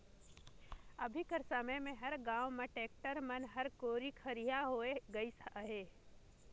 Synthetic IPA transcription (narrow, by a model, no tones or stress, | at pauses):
ɐbʱikəɾsəməjmẽɦɐɾɡãːwmeʈeːk̚ʈəɾmɐnɦɐɾkoːɾikʰɐɾijaɦoeɡɐisɦeː